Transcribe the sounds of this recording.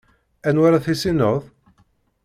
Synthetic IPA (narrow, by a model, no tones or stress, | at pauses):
ænwaɾaθisinəʁð